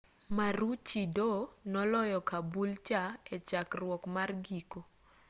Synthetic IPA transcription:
maɾut͡ʃidonɔlɔjɔkabult͡ʃaet͡ʃakrwɔkmarɡiko

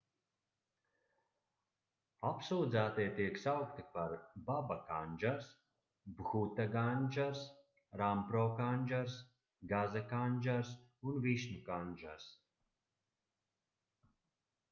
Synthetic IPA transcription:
apsuːd̪zaːt̪ijt̪iɛksawkt̪ipaɾbabakanʲd͡ʒaɾs | bɣut̪aɡanʲd͡ʒaɾs | ɾampɾɔːkanʲʒaɾs | ɡazakanʲʒaɾsunviʃnukanʲʒa̰ɾs

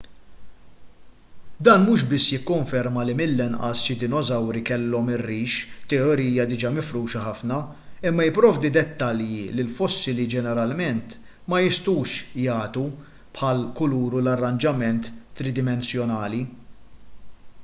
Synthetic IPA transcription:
d̪ɐːnmuːʃbɪsːjɪkːɔɱfɛɾmɐlimɪlːɛnʔɐ̰sʃɪd̪ɪnɔzɐwɾikɛlːɔmɪrːiːʃt̪ɛɔɾiːjɐd̪ɪd͡ʒɐmɪfɾuːʃɐħɐfnɐ | ɪmːɐjɪpːɾɔːvd̪id̪ɛt̪ːɐljilɪlfɔsːɪlid͡ʒɛnɛɾɐlmɛnt̪ | mɐjɪst̪uːʃjɐːt̪u | pħɐlkʊluːɾulɐrːɐnd͡ʒɐmɛnt̪ːɾɪd̪ɪmɛnsjɔnɐːli

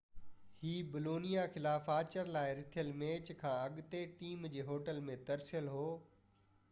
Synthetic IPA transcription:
hiːbɪloːnijaxɪlaːfaːt͡ɕəɾlaːɪɾɪt̪ʰijəlmeːt͡ɕkʰãːɐɠt̪eʈiːmd͡ʑeːɦoːʈəlmẽt̪ɐɾsɪjəlɦoː

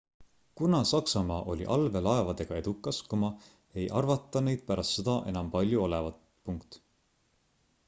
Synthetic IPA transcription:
kunɑsɑksɑmɑːʔo̞lʲḭʔɑlve̞lɑe̞vɑd̪̥e̞ɡ̥ɑe̞d̪ukːˑɑskumɑ | e̞jʔɑrvɑt̪ːˑɑne̞jd̪̥̚pæɾɑst̪sed̪̥ɑʔe̞nɑmpɑlʲjuo̞levɑt̪ | puŋkt̪

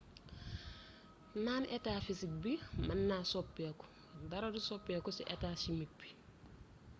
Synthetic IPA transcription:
naːnʔetaːfisik̚bimɐnːaːsopːaku̥ | dɐɾɐdusopːekusiʔetaːsimik̚b̥i̥

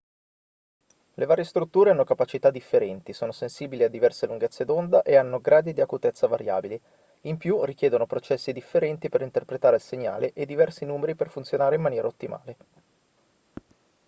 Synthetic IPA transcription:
levaːɾjest̪ɾut̪ːuːɾeanːokapat͡ʃit̪ad̪ifːeɾɛnt̪isoːnosensiːbiliad̪ːivɛrseluŋɡet̪sːed̪ond̪aʔeanːoɡɾaːd̪id̪iakut̪ɛt̪sːavaɾja̰ːbili | impjurikjɛːd̪onopɾot͡ʃɛsːid̪ifːeɾɛnt̪ipeɾint̪erpɾet̪aːɾelseɲːa̰ːleʔed̪ːivɛrsinuːmeɾiperfunt̪sjonaːɾeimːanjɛːɾʔaot̪ːima̰ːle

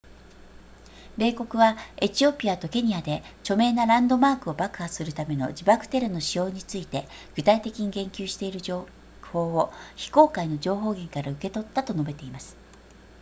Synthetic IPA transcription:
be̞ːko̞kɯ̟βae̞t͡ɕio̞pʲiat̪o̞ke̞ɲ̟iad̪e̞t͡ɕo̞me̞ːnaɾãnd̪o̞maːkɯ̟o̞bakɯ̟̥hḁsɨɾɯ̟t̪ame̞no̞̰d͡ʑibakɯ̟̥t̪e̞ɾɯno̞ɕijo̞ːɲ̟it͡sɨit̪e̞ | ɡ̥ɯ̟t̪ait̪e̞kʲiɲ̟iɡẽ̞ŋkʲɨːɕi̥t̪e̞iɾɯ̟ʑoː | ho̞ːoçi̥ko̞ːkaino̞ʑo̞ːɦo̞ːɡʲẽŋkaɾaɯ̟ke̞t̪o̞t̪ːat̪o̞no̞be̞t̪e̞imasɨ̥

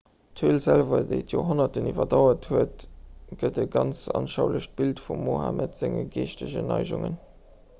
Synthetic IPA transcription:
tʰiːlzælvɐdeɪtʰjoːɦonɐtənivɐdɑʊɐthuətɡ̥ədəɡɑnt͡sɑnʃɑʊləɕt̚b̥iltfumːoːhamətz̥eŋəɡeːʃtəʑənɑɪʒuŋən

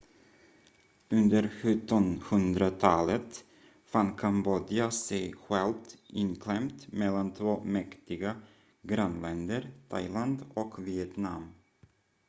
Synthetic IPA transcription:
ɵnd̪əɾɧɵt̪ːɔnhɵnd̪ɾat̪ʰɑːlət̪ | fankʰamboːd̪ɪasɛjɧɛlt̪ʔɪnkʰlɛmt̪mɛlːant̪ʰvoːmɛkt̪ɪɡa | ɡɾanlɛnd̪əɾt̪ʰa̰jland̪ɔkvɪɛt̪nam

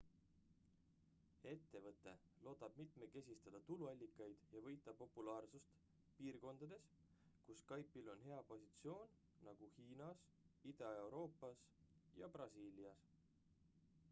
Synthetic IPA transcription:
e̞t̪ːe̞vɤt̪ˑːe̞ | lo̞ːd̪̥ɑb̥mit̪me̞ke̞sʲist̪ɑd̪̥ɑt̪uluɑlʲːikːˑɑjd̪̥jɑvɤ̞jt̪ˑːɑpo̞pulɑːrsust̪ | piːrko̞nd̪̥ɑd̪̥e̞s | kuskɑjpːilo̞nɦe̞ɑpo̞sit̪sio̞ːnː | ɑɡ̥uhiːnɑs | id̪ɑe̞wɾo̞ːpːˑɑsjɑ̰brɑsiːliɑs

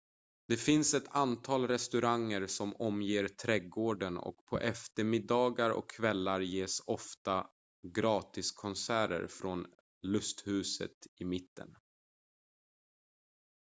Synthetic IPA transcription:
d̪̥ɛfɪnsɛt̪ʰant̪ʰɑːlɾɛst̪ɵɾaŋːəɾsɔmɔmjeːɾt̪ʰɾɛɡoːɖənɔ̰kpʰɔ̰ʔɛft̪əɾmɪd̪ɑːɡaɾɔ̰kʰːvɛlːaɾjeːsɔft̪a | ɡɾɑːt̪ɪskʰɔnsæːɾə̰ɾfɾon | lɵst̪hʉ̟ːsə̰t̪ɪmɪt̪ːə̰n

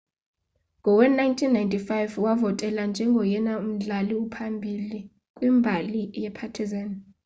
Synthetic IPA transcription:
ŋɡʱɔwɛnajntʰinːajntʰʼifajvwavɔtʼɛland͡ʒʱɛŋɡʱɔjɛnaum̩ɮaliupʰambʱili | kʼwimbʱalijɛpʰatʰizan

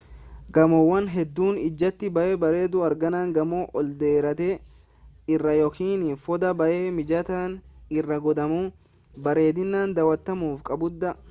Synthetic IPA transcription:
ɡɐmɔwːɐnɦɛd̪ːuːnɪd͡ʒːɐt̪ːɪbɐʔeːbɐɾe̞ːd̪ʊɐɾɡɐnaːŋɡɐmoʔɔld̪eːɾɐt̪eː | ɪrːɐjɔkiːnɪfɔd̪ɐbɐʔeːmɪd͡ʒɐt̪aːnɪrːɐɡɔd̪ɐmuː | bɐɾe̞ːd̪ɪnːaːnd̪ɐwɐt̪ːɐmuːfkʼɐbʊd̪ːɐ

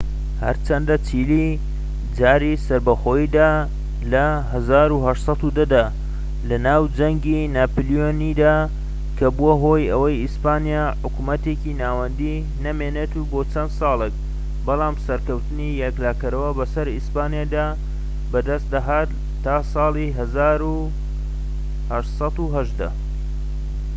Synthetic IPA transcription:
hɐ̰ɾt͡ʃʰɐnd̪ɐt͡ʃʰili | d͡ʒaːɾisɐɾbɐxo̞ːjid̪aː | lɐɦɐzaːɾuɦɐʃsˤɑt̪ud̪ɐd̪aː | lɐnaːwd͡ʒɐŋɡinaːpljonid̪aː | kʰɐbuaɦo̞ːjɐwɐjispaːnijaːħʊkumɐt̪eːkinaːwɐnd̪i | nɐmeːnet̪uboːt͡sɐnd̪sɑːlˠek̚ | bɑlˠaːmsɐɾkɐwt̪ɨnijɛklaːkɐɾɐwɐbɐsɐɾispaːnijaːd̪aː | bɐd̪ɐst̪d̪aɦaːt̪ː | aːsɑːlˠiɦɐzaːɾu | hɐʃsˤɑt̪uɦɐʒd̪ɐ

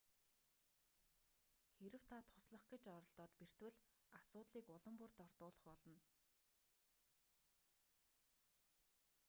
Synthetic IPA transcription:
xeɾɘ̆w̥t̪ʰat̪ʰʊ̥sɮə̆χɡĕt͡ɕɔɾɞ̆ɬt̪ɔːt̪per̥t̪wɘ̆ɮasʊːt̪ɮiːkʊɮə̆mpʊrt̪ɔrt̪ʊːɮə̥̆χpɔɮɞ̆n

